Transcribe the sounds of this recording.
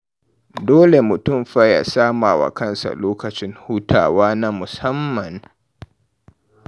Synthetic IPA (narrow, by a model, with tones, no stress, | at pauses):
doː˦le˨mʊ˨tʊ˦˨mɸa˦ja̰˨saː˦maː˨wa̰˨kɐ˦nsa̰˨loː˦kɐ˨t͡ʃɪ˦nhuː˦tʰa̰ː˨waː˦na˦mʊ˨sɐ˦mːɐ˨n